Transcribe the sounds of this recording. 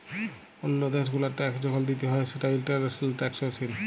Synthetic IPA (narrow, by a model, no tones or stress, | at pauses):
onːod̪eʃ̬ɡulaɾʈɛkd͡ʑɔkʰald̪it̪eɦɔeʃeʈawilʈaɾselʈɛksoɾt͡ɕʰil